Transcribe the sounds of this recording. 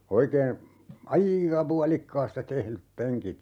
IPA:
oikeː ɑiːkɑ puɑlikːɑːstɑ tehlyp peŋkit

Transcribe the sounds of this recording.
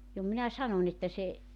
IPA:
jo minæ sɑnonʲ etːæ se

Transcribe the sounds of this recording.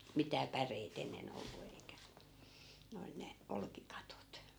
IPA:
mitæː pæreit enːen olːu eikæ ne ol ne olkikɑtot

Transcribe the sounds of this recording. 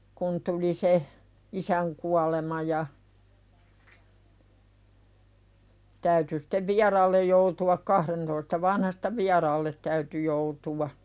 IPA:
kun tuli se isæŋ kuɑlemɑ jɑ tæyty steʋ ʋiɑrɑːlːej joutuɑk kɑhrentoistɑ ʋɑnhɑstɑ ʋiɑrɑːlːet tæyty joutuwɑ

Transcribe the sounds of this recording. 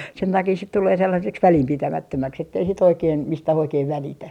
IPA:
sen tɑkiː sit tuleː selːɑseks ʋælimpitæmætːømæks etːei sit oikeːm mistæh oikeːn ʋælitæ

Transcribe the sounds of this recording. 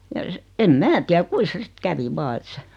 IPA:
jɑ s̆ĕ em mæː tiæ kui sĕ sĭt kæʋi ʋɑː et se

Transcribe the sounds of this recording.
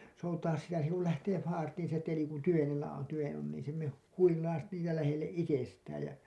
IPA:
soutɑːs sitæ se kul læhteː fɑːrtiːn se teli kun tyʋenelːæ on tyʋen on niːĩ se me huilɑis niːtæ læhelːeʔ ʔitestæːj jɑ

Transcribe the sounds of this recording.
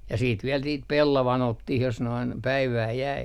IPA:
jɑ siːt ʋiɛl niːt pelːɑʋɑn otːih jos noin pæiʋæː jæi

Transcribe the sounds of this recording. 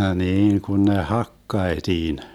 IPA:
hniːŋ kun ne hɑkːɑetiːn

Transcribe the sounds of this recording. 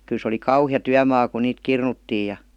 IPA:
kyl se oli kɑuhijɑ tyæmɑː ku niːt kirnutːiː jɑ

